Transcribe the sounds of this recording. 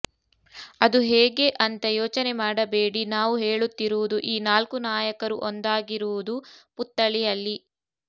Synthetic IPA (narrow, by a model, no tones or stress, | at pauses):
ɐd̪uɦeːɡe̞ʔɐnt̪ɐjoːt͡ʃɐnemaːɽɐbe̞ːɽinaːʋuɦeːɭut̪ːiɾuʋud̪uʔiːnaːlkunaːjɐkɐɾṵʔond̪aːɡiɾuʋud̪uput̪ːɐɭijɐlːi